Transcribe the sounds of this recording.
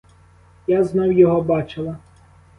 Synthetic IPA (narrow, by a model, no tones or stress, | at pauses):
jaznɔwjɔɦɔbɑt͡ʃɪlˠɐ